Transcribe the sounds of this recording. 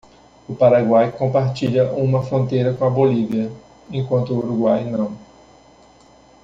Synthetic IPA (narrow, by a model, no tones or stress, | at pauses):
ʊpaɾaɡwajkõmpaɾt͡ʃiʎɐʔũmɐfɾõnt̪ejɾɐkõɐboliviɐ | ẽkwɐ̃nt̪ʊːɾuɡwajnɐ̃w̃